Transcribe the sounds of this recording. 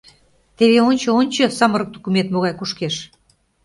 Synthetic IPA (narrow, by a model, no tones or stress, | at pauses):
t̪eβeonʲt͡ɕɤ̆onʲt͡ɕɤ̆sɑmə̆ɾɤk̚t̪ukumet̪moɣɑjkuʃkeʃ